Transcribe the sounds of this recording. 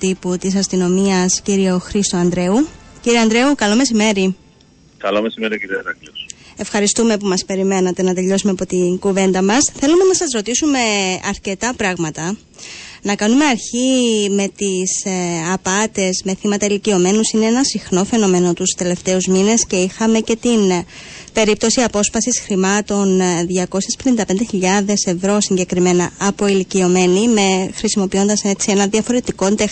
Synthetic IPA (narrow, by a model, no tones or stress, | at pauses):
t̪iput̪isɐst̪ino̞miɐsciɾio̞xɾist̪oɐnd̪ɾe̞uciɾiɐnd̪ɾe̞ukɐlo̞me̞s̬ime̞ɾi | kɐlomesimeɾiciɾiɐt̪ɐklose̞fxɐɾist̪ume̞pumɐspe̞ɾime̞nɐt̪e̞nɐt̪e̞ʎo̞sumeɐpo̞t̪iŋɡuve̞nd̪ɐmɐsθe̞lume̞nɐsɐzɾo̞t̪isume̞ɐɾce̞t̪ɐpɾɐɣmɐt̪ɐ | nɐkɐnume̞ɐɾçime̞t̪isɐpɐt̪e̞zme̞θimɐt̪ɐilicio̞me̞nusineenɐsixno̞fe̞no̞me̞no̞t̪ust̪e̞le̞ft̪e̞uzmine̞sce̞ixɐme̞ce̞t̪inpe̞ɾip̚t̪o̞siɐpo̞sfɐsisxɾimɐt̪o̞nðʝɐko̞sespe̞nind̪ɐpe̞nd̪eçiʎɐðe̞se̞vɾo̞siɲɟe̞kɾime̞nɐɐpo̞ilicio̞me̞nime̞xɾisimo̞pio̞nd̪ɐset͡sie̞nɐnðiɐfo̞ɾe̞t̪iko̞nt̪ex